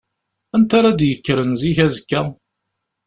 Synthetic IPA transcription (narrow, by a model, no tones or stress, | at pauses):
ænt̪aɾˤad̪jəkːɾənziçæzkːæ